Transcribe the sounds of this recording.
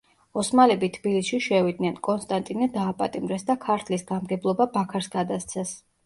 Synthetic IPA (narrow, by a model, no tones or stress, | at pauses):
ɔsmalɛbit̪ʰbilisʃiʃɛvid̪̚nɛnkʼɔnst̪ʼant̪ʼinɛd̪aːpʼa̰t̪ʼimɾɛsd̪akʰaɾt̪ʰlisɡamɡɛblˠɔbabakʰaɾsɡad̪ast̪sʰɛs